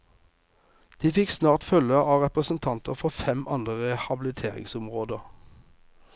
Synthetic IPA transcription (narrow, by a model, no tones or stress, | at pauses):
d̪̥iːfɪksnɑːʁt̪fœləɑːʁɛpʁəsn̩t̪ʰɑnt̪əʁfɔʁfɛmʔɑnd̪ʁəhɑbɪlɪt̪ʰeːʁɪ̰ŋsʊmʁoːd̪əʁ